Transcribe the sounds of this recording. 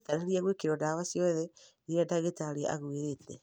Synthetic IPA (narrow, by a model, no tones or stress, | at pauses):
taɾaɾiaɣwekeɾɔdawasjɔðɛ | iɾadaɣetaɾea̰ɣweɾetɛ